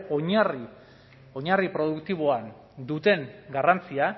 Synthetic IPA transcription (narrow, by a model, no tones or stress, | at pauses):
oɲari | o̞ɲaripɾo̞ðukt̪iβ̞oan | d̪ut̪e̞ŋɡarant͡sia